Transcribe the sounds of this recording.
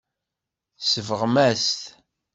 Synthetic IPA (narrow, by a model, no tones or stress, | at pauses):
səvəʁmæst̪